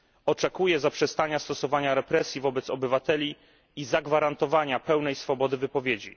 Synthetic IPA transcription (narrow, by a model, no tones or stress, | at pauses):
ɔt͡ʂɛkujɛzapʂɛst̪aɲast̪ɔsɔvaɲaɾɛpɾɛsʲjivɔbɛt̪sɔbɘvat̪ɛlʲiː | zaɡvaɾant̪ɔvaɲapɛwnɛjsfɔbɔd̪ɘvɘpɔvʲjed͡ʑḭ